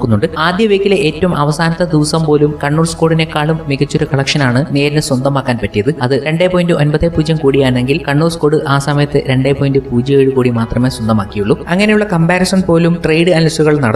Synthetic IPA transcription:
kːunːuɳɖɨaːd̪jɐʋeːkːile̞ʔeːtːɐʋumʔɐʋɐsaːnɐt̪ːɐd̪iʋɐsɐmpoːlumkɐɳːuːrsko̞ːɽine̞kːaːɭumːiɣɐt͡ɕːoɾukɐɭɐkʂɐnaːɳɨne̞ːɾinɨswɐnd̪ɐmaːkːaːnpɐtːijɐðɨɐðɨɾe̞ɳɖe̞ːpo̞ːjindɨʔo̞nbɐðeːpuːd͡ʑɐmkuːɽijaːɳeŋɡilkɐɳːuːrsko̞ːɽɨʔaːsɐmɐjɐt̪ːɨɾe̞ɳɖepo̞ːjindɨpuːd͡ʑɐeːɻɨkuːɽimaːt̪rɐme̞ːswɐnd̪ɐmaːkːijuɭːuɐŋːɐne̞juɭːɐkɐmbaːɾɐsɐnpo̞ːlumʈrejɖɨɐnlɐsuɣɐɭnɐɽɐ

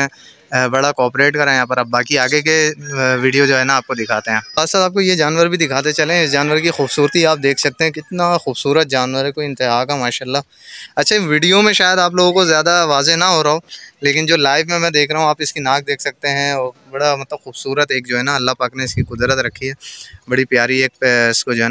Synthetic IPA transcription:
ɛ̃ | bɐɽakɔːpɾeːʈkɐɾãjãːpəɾɐb̚bːaːkiaːɡekeʋiːɖijod͡ʒoːɦɛːnaaːp̚kod̪ɪkʰaːt̪eɦɛ̃ːaːssalaːp̚kojed͡ʒaːnʋəɾbʱid̪ɪkʰaːt̪et͡ʃɐlẽɪsd͡ʒaːnʋəɾkixuːbsuːɾət̪iaːp̚d̪eːkʰsɐk̚t̪eɦɛ̃kɪt̪naxuːbsuːɾət̪̚d͡ʒaːnʋəɾɦɛkoːiɪ̃nt̪ɪɦaːkamaːʃaːlːa | ɐtːʃʰaʋiːɖijomẽʃaːjəd̪aːp̬loːɡõkozjaːd̪aʋaːzenaɦoɾaɦoːleːkɪnd͡ʒoːlaːɪʋmẽmɛ̃ːd̪eːkʰɾɐɦũaːpɪskinaːk̚d̪eːkʰsɐk̚t̪eɦɛ̃ɔːɾbɐɽamɐt̪ləbxuːbsuːɾət̪eːk̚d͡ʒoːɦɛnaɐlːapaːkneɪskikʊd̪ɾət̪ɾɐkʰːiɦɛːbɐɽipjaːɾieːk̚pɪskod͡ʒoːɦɛn

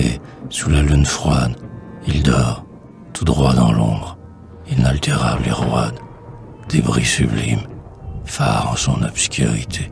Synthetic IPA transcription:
e | sulalynfχwad̪ild̪ɔʁ | t̪ʰud̪ʁwad̪ɑ̃lɔ̃bʁ | inalt̪eʁableʁwad̪ | d̪̥ebʁisyblimfa̰ʁɑ̃sɔ̃nɔbskʲy̰ʁit̪ʰe

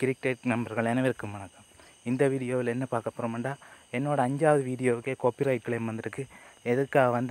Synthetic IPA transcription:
kɪɾɪk̚ʈeːʈ̚nɐmbɐɾɣɐɭeːnɐɪɾɯkːɯmːɐɳɐkːɐm | ɪnd̪ɐʋiːɽɪjoːʋɪlɛnːɐpaːɾkɐpːɯɾɐmɐɳɖaːɛnːoːɽɐɐɲd͡ʒaːʋɐðɯʋiːɽɪjoːʋɯkːeːkoːpiɾɐɪʈ̚kɭeːmʋɐnd̪ɯɾɯkːɯɛðɯkːaːɣɐʋɐnd̪

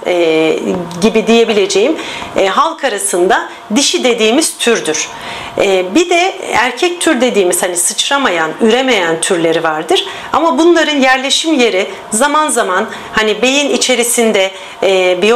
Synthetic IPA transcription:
ɛ | ɟibid̪ije̞bilʲe̞d͡ʒe̞jimɦalˠkʰaɾasɯnd̪a | d̪iʃid̪e̞d̪iːmiz̥t̪ʰyɾd̪yɾ̥ | ɛːbid̪ɛæɾcʰɛc̚t̪ʰyɾd̪e̞d̪iːmiz̥hanisɯt͡ʃɾamajanyɾe̞me̞jænt̪ʰyɾlʲe̞ɾivaɾd̪ɯɾ̥ | amabunlˠaɾɯnjæɾlʲe̞ʃimje̞ɾi | zamanzaman | hanibe̞jinit͡ʃʰe̞ɾisind̪ɛː | bij

